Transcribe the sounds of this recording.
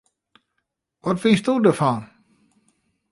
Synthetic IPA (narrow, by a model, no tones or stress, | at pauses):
ʋɔtʋɪnstudəfɔn